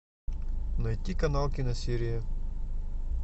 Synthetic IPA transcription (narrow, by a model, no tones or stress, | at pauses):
nɐjtʲːikɐnalˠkʲɪnɐsʲiɾʲɪjɐ